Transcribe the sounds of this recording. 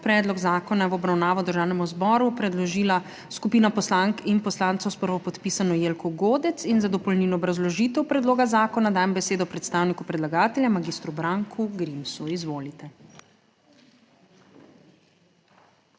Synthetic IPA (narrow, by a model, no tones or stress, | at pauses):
pɾɛːd̪lɔɡzaːkɔnaʋɔbɾawnaːʋɔd̪əɾʒaːwnɛmuzbɔːɾupɾɛd̪lɔʒiːla | skupiːnapɔslaŋkinpɔslaːnt̪sɔwspəɾʋɔpɔt̪pisanɔjeːlkʰɔɡoːd̪ɛt̪sinzad̪ɔpɔlninɔɔbɾazlɔʒit̪ɛwpɾɛd̪loːɡazaːkɔnad̪aːjɛmbɛseːd̪ɔpɾɛt̪st̪aːwnikupɾɛd̪laɡaːt̪ɛljamaɡist̪ɾubɾaŋkʰuɡɾimsuizʋoːlit̪ɛ